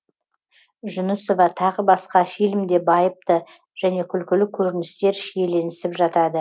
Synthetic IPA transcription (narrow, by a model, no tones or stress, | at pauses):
ʒʊnʊsovɑt̪ʰɑʁəbɑsqɑfijlɪmd̪e̞bɑjəp̚t̪ə | ʒ̥æne̞kʲʰʏlkʲɪlɪkʲʰɵɾɪnɪst̪e̞ɾʃijele̞nɪsɪpʒɑt̪ɑd̪ə